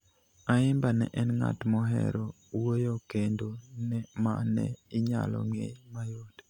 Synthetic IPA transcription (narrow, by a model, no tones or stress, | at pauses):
aɪmbanɛ̰ʔɛnŋa̰tmɔɦɛ̰ɾɔ | wojokendonɛmanɛɪɲa̰lɔ̰ŋḛjmajod̥